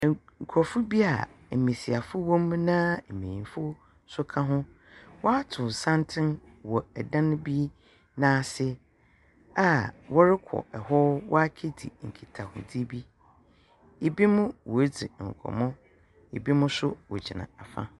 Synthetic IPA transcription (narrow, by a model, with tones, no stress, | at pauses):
ŋ̩˨kʰɔ˨fʊ˦bi˦a̰˨m̩˨mĩ˨si˨a˨fʊ˦wɔ̃˦mnã˦m̩˨mĩ˨ĩ˨fʊ˦ | sʊ˦kʰã˦ɦʊ̃˦ | wɔ˦a˦tʰʊ̃˨sã˦ntʰɪ̃˦n | wɔ˨ɛ˨dã˦ñ˦bi˦ | nãː˦˨sɪ˦ | a˨wɔ˦ɾɪ˦kʰɔ̰˨ɛ˨ɦɔ˦wʔɔ̰˦a˦kʰe˦dḭ˨ŋ̩˨kʰi˨tʰa˨hʊ̰̃˨di˦bi˦ | e˨bi˦mʊ̃˦wɔ˨e˦d͡zḭ˨ŋ̩˨kʰɔ̰˨mʊ̃˦ | e˨bi˦mʊ̃˦sʊ˦wɔ˨d͡ʑi˨nã̰˨a˨fa̰˦